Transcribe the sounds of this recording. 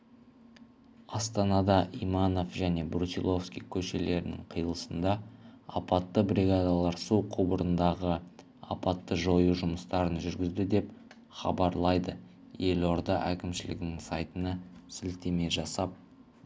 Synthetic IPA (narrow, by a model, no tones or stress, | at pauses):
ɑst̪ɑnɑd̪ɑʔijmɑno̞fʒæne̞bɾusʲḭlˠo̞fskʲḭjkʲʰɵʃe̞le̞ɾɪnɪ̰ŋqʰijəlˠəsənd̪ɑɑpɑt̪ːəbɾʲiɡad̪ɑlˠɑɾsuqʰubəɾənd̪ɑʁə | ɑ̰pɑt̪ːəʒo̞juʒʊməst̪ɑɾənʒʏɾɡʲɪzd̪ɪd̪e̞p | χɑ̰bɑɾlˠɑjd̪ə | je̞lo̞ɾd̪ɑʔækʲɪmʃɪlɪ̰ɡʲɪnɪŋsɑjt̪ənɑsɪlt̪e̞me̞ʒɑsɑp̚